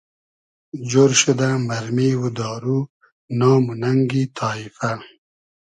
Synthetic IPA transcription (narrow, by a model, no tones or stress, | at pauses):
d͡ʒoɾʃud̪amaɾmiwud̪ɑːɾu | nɑːmunaŋɡit̪ʰɑːifa